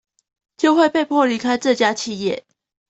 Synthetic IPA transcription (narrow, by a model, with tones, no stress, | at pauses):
t͡ɕjo˥˧ʊxwe˥˧ɪpe˥˧ɪppʰwɔ˥˨li˧˥kʰa˥ɪʈ͡ʂɤ˥˨t͡ɕja˥t͡ɕʰi˥˧jɛ̰˥˩